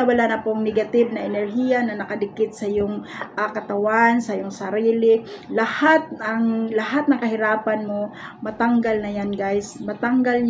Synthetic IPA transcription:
ɐwɐlanɐpoŋnɛɡɐt̪ɪb̚nɐʔɛnɛɾɦiːjɐnɐnɐkɐd̪ɪkɪt̪̚sɐjoŋʔakɐt̪ɐwansɐjʊŋsɐɾiːlɪlɐhat̪̚ɐŋlɐhat̪̚nɐŋkɐɦɪɾaːpɐnmomɐt̪aŋɡalnɐjanɡajsmɐt̪aŋɡal

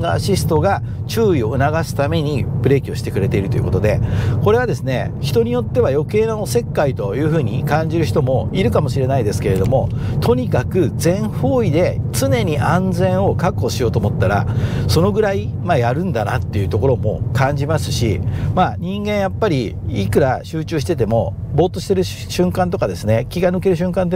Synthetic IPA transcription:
ɡaɕisɨ̥t̪o̞ɡa | t͡ɕɨːio̞ɯ̟naɡasɨ̥t̪ame̞ɲ̟ipɯ̟ɾe̞ːkʲio̞ɕi̥t̪e̞kɯ̟ɾe̞t̪e̞iɾɯo̞jɯ̟ko̞t̪o̞d̪e̞̰ko̞ɾe̞βad̪e̞sɨne̞̰çi̥t̪o̞ɲ̟ijo̞t̪ːe̞β̞ajo̞ke̞ːnoose̞kːait̪o̞jɯ̟ːɸɯ̟ːɲ̟ḭkãɲ̟d͡ʑiɾɯ̟çi̥t̪o̞mo̞iɾɯ̟kamo̞ɕiɾe̞naid̪e̞sɨ̥ke̞ɾe̞d̪o̞mo̞ | t̪ʰo̞ɲ̟ikakɯ̟d͡zẽ̞ɰ̃ɸo̞ːid̪e̞t͡sɨne̞ɲ̟iʔãnd͡zẽ̞ɰ̃o̞kakːo̞ɕijo̞ːt̪o̞ːmot̪ːaɾa̰so̞no̞ɡɯ̟ɾai | majaɾɯ̟̃nd̪ana̰t̪ːe̞jɯ̟t̪o̞ko̞ɾo̞mo̞̰kãɲ̟d͡ʑimasɨ̥ɕḭmaɲ̟ĩŋɡẽ̞ɰ̃japːaɾʲi | ikɯ̟ɾaɕɨːt͡ɕɨːɕi̥t̪e̞t̪e̞mo̞ | bo̞ːt̪ːo̞ɕi̥t̪e̞ɾɯ̟ | ɕɨ̃ŋkãnt̪okad̪e̞sɨne̞kʲiɡanɯke̞ɾɯ̟ɕɨ̃ŋkãnt̪

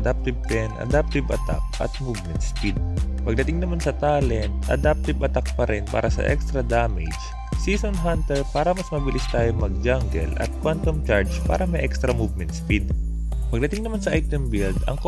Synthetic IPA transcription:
d̪ap̚t̪ɪb̚t̪ɛnʔɐ̰d̪ap̚t̪ɪbɐ̰t̪a̰p̚ʔɐ̰t̪̚muvmɛnt̪spid̪̚pɐɡ̚d̪ɐt̪ɪŋnɐmansɐt̪aːlɛnt̪̚ʔɐ̰d̪ap̚t̪ɪbʔɐt̪ak̚pɐɾʔɛnpa̰ːɾʔɐsɐ̰ʔɛ̰kst̪ɾɐd̪amɪd͡ʒ | sisonɦant̪ɛɹpaːɾɐmɐsmɐbɪlɪst̪aːjomɐɡ̚d͡ʒaŋɡɛ̰lʔɐ̰t̪̚kwant̪omt͡ʃaɹd͡ʒpa̰ːɾɐmɐjʔɛkst̪ɾɐmuvmɛnt̪̚spid̪ | pɐɡ̚d̪ɐt̪ɪiŋnɐmansɐʔajt̪ɛmbɪld̪ɐ̰ŋk

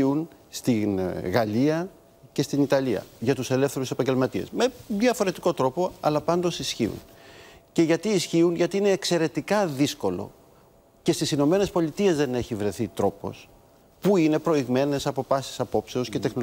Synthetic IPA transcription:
iun | st̪inɣɐliɐ | ce̞st̪init̪ɐliɐ̰ʝɐt̪use̞le̞fθe̞ɾuse̞pɐɲɟe̞lmɐt̪iḛsmeðjɐfo̞ɾe̞t̪i̥ko̞t̪ɾo̞po̞ɐ̰lɐpɐnd̪o̞sisçḭṵn | ce̞ʝɐt̪iːsçiunʝɐt̪iine̞ːkse̞ɾe̞t̪ikɐðisko̞lo̞̰ | ce̞st̪isino̞me̞nespo̞lit̪ie̞zðe̞ne̞çivɾe̞θit̪ɾo̞po̞̰s | puine̞pɾo̞iɣme̞ne̞sɐpo̞fɐsi̥sɐpo̞pse̞o̞sce̞t̪e̞xno

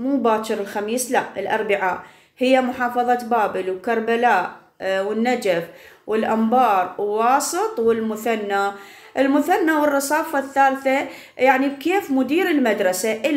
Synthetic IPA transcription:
muːbaːʃɪɾɪlxamiːslaʔɪlʔɑɾˤbɪʕaʔ | hɪjːamʊħɑːfɑðˤɑt̪baːbɪlwkɑɾˤbalaːʔ | wɪnːad͡ʒafwɪlʔambɑːɾˤwwɑːsˤɨt̪ˤwɪlmʊθanːa | ʔɪlmʊθanːawɪrˤːɑsˤɑːfaθːaːlθa | jaʕnikeːfmʊd̪iːɾɪlmad̪ɾˤɑsaʔɪ

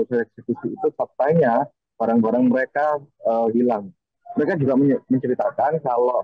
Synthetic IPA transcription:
saɛk̚sekusiːt̪usap̚t̪aɲa | b̥aɾaŋbaɾaŋməɾekaəɦilaŋ | məɾekad͡ʒuɡaməməɲt͡ʃəɾit̪akankalo

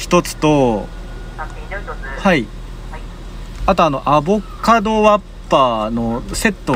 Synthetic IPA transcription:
çi̥t̪o̞t͡sɨ̥t̪o̞ | hai | at̪o̞ano̞ʔabo̞kad̪o̞βapːaːno̞se̞t̪ːo

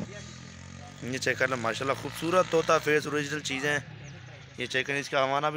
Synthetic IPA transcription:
jeːt͡ʃekəɾlemaːʃaːlːaːxʰuːbsuːɾət̪ːoːt̪aːfʰeːsoːɾɪd͡ʒnəlt͡ʃiːzẽː | jeːt͡ʃeːkənɪskaːʋaːnaːb

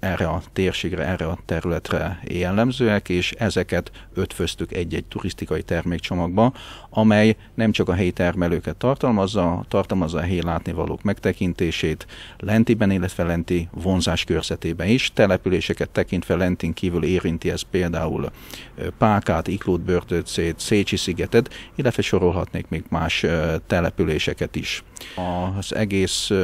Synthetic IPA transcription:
ɛrːɛɒt̪eːrʃeːɡrɛ̰ɛrːɛɒt̪ɛɾylɛt̪rɛ̰jɛlːɛmzøːɛkeːʃɛzɛkɛt̪ | ø̞t̪føst̪ykɛɟːɛɟ̚t̪urist̪ikɒjit̪ɛrmeːkt͡ʃo̞mɒɡ̚bɒ | ɒmɛj | nɛmt͡ʃɒkɒɦɛjit̪ɛrmɛløːkɛt̪ːɒrt̪ɒlmɒzːɒt̪ɒrt̪ɒlmɒzːɒɦɛjlaːt̪nivɒ̰lo̰ːkmɛkt̪ɛkint̪eːʃeːt̪lɛnt̪ibɛnilːɛt̪ʋɛlɛnt̪ivo̞nzaːʃkørz̥ɛt̪eːbɛniʃt̪ɛlɛpyleːʃɛkɛt̪ːɛkint̪ʋɛlɛnt̪iŋkiːvyleːɾint̪iɛspeːld̪aːṵl | paːkaːt̪ikloːd̪̚børd̪øt̪seːt̪seːt͡ʃisiɡɛt̪ɛt̪ilːɛt̪ʋɛʃo̞ɾo̞lɦɒ̰t̪neːkmeːɡmaːʃt̪ɛlɛpyleːʃɛkɛt̪ḭʃɒz̥ɛ̰ɡeːs

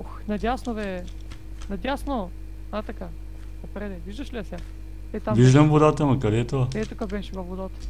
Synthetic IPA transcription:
xnɐd̪ʲasnovɛ | nɐd̪ʲjasno | at̪ɐka | ɐpɾɛd̪ɛviʒd̪əʃliɐsʲa | ɛt̪aviʒd̪əmvod̪at̪əmɐkɐɾɛːt̪ovaɛt̪ukabɛʃivɐvod̪at̪ə̥

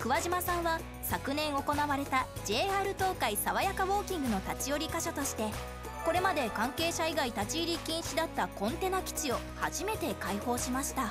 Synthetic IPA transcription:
kɯ̟βaʑimasãɰ̃βa | sakɯ̟nẽ̞ɰ̃o̞ko̞naβaɾe̞t̪ad͡ʑe̞ːaːɾɯ̟t̪o̞ːkaisaβajakaβo̞ːkʲĩŋɡɯ̟no̞t̪at͡ɕio̞ɾʲikaɕat̪o̞ɕi̥t̪e̞ | ko̞ɾe̞mad̪e̞kãŋke̞ːɕaiɡait̪at͡ɕiːɾʲikʲĩɰ̃ɕid̪at̪ːakõ̞nt̪e̞nakʲi̥t͡ɕio̞ | ha̰ʑime̞t̪e̞kaiho̞ːɕimaɕi̥t̪a

